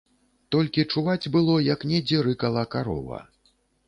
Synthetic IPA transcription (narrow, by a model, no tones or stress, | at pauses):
t̪ɔlʲkʲit͡ʂuvad͡zʲbɨlˠɔjɐknʲɛd͡zʲɛɾɨkɐlˠɐkaɾɔ̰vɐ̰